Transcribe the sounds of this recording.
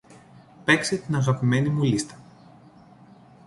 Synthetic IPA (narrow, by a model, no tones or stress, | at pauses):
pe̞kset̪inɐɣɐpime̞nimulist̪ɐ̥